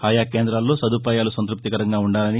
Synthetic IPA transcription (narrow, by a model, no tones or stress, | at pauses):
aːjaːkeːnd̪ɾaːlːo̞ːsɐd̪upaːjaːlusɐnt̪ɾup̚t̪ikɐɾɐŋɡaːuɳɖaːlɐni